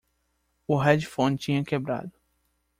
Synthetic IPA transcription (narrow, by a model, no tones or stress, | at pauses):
ʊɦɛd͡ʒɪfõnt͡ʃĩɲɐkebɾa̰d̪ʊ